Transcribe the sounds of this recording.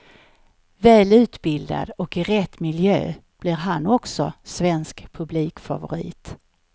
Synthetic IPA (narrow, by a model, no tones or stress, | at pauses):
vɛːlʉ̟ːt̪bɪld̪a̰d̪ɔkɪɾɛt̪ːmɪljø̰ːb̥lɪɾɦanːɔksɔsvɛnskpʰɵbliːkfa̰vʊɾḭːt̪